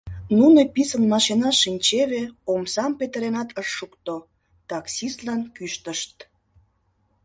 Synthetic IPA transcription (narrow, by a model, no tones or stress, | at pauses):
nunopisənːɑʃenɑʃinʲt͡ɕeβeomsɑmpet̪əɾenɑt̪əʃːukt̪o | t̪ɑksist̪lɑnkyʃt̪əʃt̪